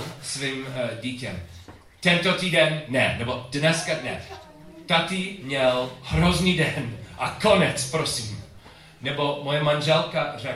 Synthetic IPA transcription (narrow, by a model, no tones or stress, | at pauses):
sviːmɟiːcɛ̰m | t̪ɛnt̪ot̪iːdɛnːɛnɛbodnɛskadnɛ | t̪at̪imɲɛlhɾozniːdɛnʔakonɛt͡spɾosim | nɛbomojɛmanʒɛlkarɛ